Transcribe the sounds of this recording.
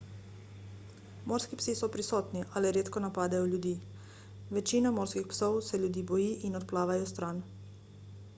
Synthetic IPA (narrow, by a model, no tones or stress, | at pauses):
moːɾskipsisɔpɾisɔːt̪niʔaliɾeːt̪kɔnapaːd̪ɛjɔljud̪iː | ʋɛt͡ʃiːnɔmoːɾskixpsɔwsɛljud̪iːbɔjiːʔinɔt̪̚plaːʋajɔst̪ɾaːn